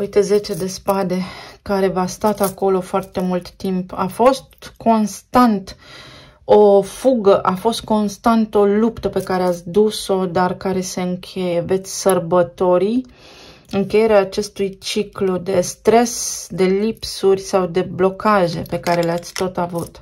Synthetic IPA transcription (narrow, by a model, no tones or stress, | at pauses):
ujt̪eze̞t͡ʃe̞d̪e̞spad̪e̞kaɾe̞vast̪at̪ako̞lo̞foart̪e̞mult̪ːimpa̰fo̞st̪kʰo̞nst̪ant̪ | o̞fuɡəʔafo̞st̪̚ko̞nst̪ant̪o̞lupt̪əpe̞kaɾeat̪sʲd̪uso̞d̪arkaɾe̞se̞ɨŋkʲʰe̞je̞ve̞t̪sʲsərbət̪o̞ɾi | ɨŋke̞je̞ɾeaːt͡ʃe̞st̪ujt͡ʃiklud̪e̞st̪ɾe̞sd̪e̞lipsurʲsawd̪e̞blo̞kaʒe̞pe̞kaɾe̞leat̪sʲt̪o̞t̪avut̪